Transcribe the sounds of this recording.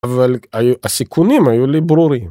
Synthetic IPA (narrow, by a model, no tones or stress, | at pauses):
vælæsikʰːunimæjulːibɾuɾi